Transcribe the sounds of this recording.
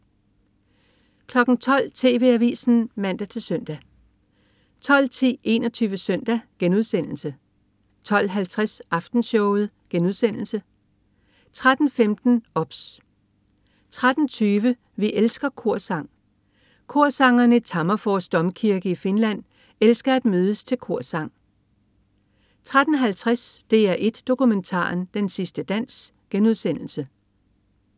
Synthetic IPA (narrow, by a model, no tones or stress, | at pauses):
kʰlɒ̽ɡ̥n̩t͡sʰɒ̽l̰t͡sʰe̝̰ːʋe̝æʋḭːsn̩mæn̰d̥æt͡sʰe̝lsœn̰d̥æ | t͡sʰɒ̽l̰t͡sʰḭːe̝̰ːnɒt͡sʰyːʋəsœn̰d̥æɡ̥enuð̞ˠsen̰l̩sə | t͡sʰɒ̽l̰ɦælt͡sʰʁasʔɑ̈fd̥n̩ɕɔʊð̞̩ˠ | ɡ̥enuð̞ˠsen̰l̩sə | t͡sʰʁad̥n̩femd̥n̩ɒ̽b̥s | t͡sʰʁad̥n̩t͡sʰyːʋə | ʋiʔelsɡ̥ɐkʰo̝ɐ̰sɑ̈ŋ̰ | kʰo̝ɐ̰sɑ̈ŋɐnəit͡sʰɑ̈mɐfɒːsd̥ɒ̽mkʰiɐɡ̥əife̝nlæn̰ | elsɡ̥ɐæd̥møːð̞ˠəst͡sʰe̝lkʰo̝ɐ̰sɑ̈ŋ̰ | t͡sʰʁad̥n̩ɦælt͡sʰʁɛsd̥e̝æɐʔe̝d̥ːo̝kument͡sʰɑ̰̈ːnd̥ensisd̥əd̥æn̰s | ɡ̥enuð̞ˠsen̰l̩sə